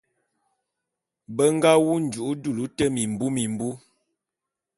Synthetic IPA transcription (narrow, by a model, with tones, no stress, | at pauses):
bə˦ŋ˦ɡa˦wu˦n̩˨d͡ʒu˨ʔu˦du˦˨lu˦tə˦mi˨m̩˨bu˦mi˨m˨bu˦